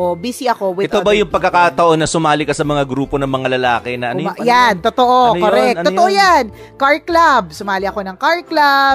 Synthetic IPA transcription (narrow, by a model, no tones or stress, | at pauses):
obisiʔɐko̞wɪɛt̪t̪obɐjʊŋpɐɡ̚kːɐkaːt̪ɐʔo̞nːɐsʊmaːlɪkɐsɐmɐŋaɡɾuːpo̞nɐŋmɐŋalɐlaːkɪnɐʔɐnjant̪ot̪oʔokoɾɛk̪̚ooʔojan | kaɹklab̚sʊmaːlɪɐko̞nɐŋkaɹklab